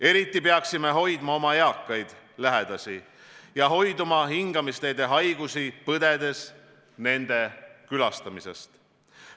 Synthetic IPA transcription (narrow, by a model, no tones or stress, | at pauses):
e̞ɾit̪ˑːipe̞ɑksime̞ɦo̞jd̪̥mɑo̞mɑeɑkːˑɑjd̪̥ | læɦe̞d̪̥ɑsi | jɑɦo̞jd̪umɑɦiŋɡ̥ɑmist̪e̞jd̪e̞ɦɑjɡusipɤd̪e̞d̪̥e̞s | ne̞nd̪e̞kylɑst̪ɑmise̞̰st̪